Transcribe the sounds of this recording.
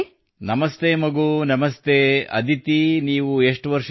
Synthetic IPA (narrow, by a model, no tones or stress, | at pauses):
nɐmɐst̪eːmɐɡuːnɐmɐst̪eːɐ̰d̪ʱit̪iniːʋueʂʈʋɐɾʂ